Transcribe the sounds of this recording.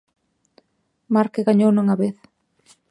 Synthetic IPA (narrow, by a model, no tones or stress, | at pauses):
maɾkɪɣaɲownuŋaβeθ